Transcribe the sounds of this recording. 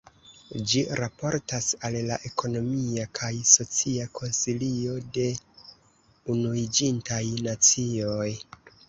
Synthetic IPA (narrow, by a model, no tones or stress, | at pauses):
d͡ʒiɾapo̞ɾtasallaʔe̞kʰo̞no̞miakʰajso̞t͡siakʰo̞nsilio̞de̞ | unuid͡ʒintajnat͡sio̞j